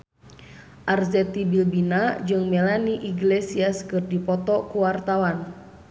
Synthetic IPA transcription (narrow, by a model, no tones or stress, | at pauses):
ʔarzɛt̪ibilbinad͡ʒɨŋmɛlaniʔiɡlesiaskɨrdipɔt̪ɔkuwart̪awan